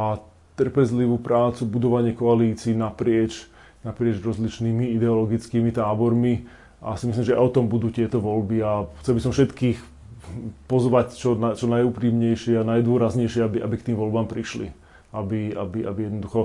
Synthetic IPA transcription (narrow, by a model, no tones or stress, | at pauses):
a | t̪r̩pɛzliʋupɾaːt͡subud̪ɔʋaɲɪɛkɔaliːt͡siːnapɾɪɛt͡ʃ | napɾɪɛd͡ʒɾɔzlit͡ʃniːmiid̪ɛɔlɔɡit͡skiːmit̪aːbɔɾmi | ʔa̰simis̬limʒɛaɔt̪ɔmbud̪uːt̪ɪɛt̪ɔʋɔlbiaxt͡sɛlbisɔmfʃɛt̪kiːx | pɔzʋact͡ʃɔnat͡ʃɔnajupɾiːmɲɛjʃɪɛanajd̪ʊɔɾazɲɛjʃɪɛabiʔa̰bik̚t̪iːmʋɔlbaːmpɾiʃlḭ | ʔabia̰bia̰bijɛd̪nɔd̪uxɔ